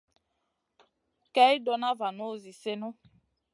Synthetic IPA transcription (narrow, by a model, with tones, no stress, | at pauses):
kɛ˦i˦dɔ˨na˦va˨no˦˨zi˨se˦no˦